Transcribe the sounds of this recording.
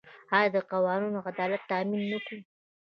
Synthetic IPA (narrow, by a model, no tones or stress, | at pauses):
ɑjɑd̪əqawɑninoad̪ɑlat̪ːɑminːaku